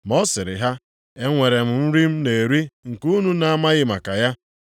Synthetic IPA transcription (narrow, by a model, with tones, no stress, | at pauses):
mɔ˦sɪ˨ɾɪ̰˨ɦa˦ | e˦ŋʷe˨ɾe˨m̩˨m̩˦ɾi˦m̩˦ne˨ɾi˦ŋ̩˨ku˦nu˦na˨a˦ma˦ɣɪ˦ma˨ka˨ja˦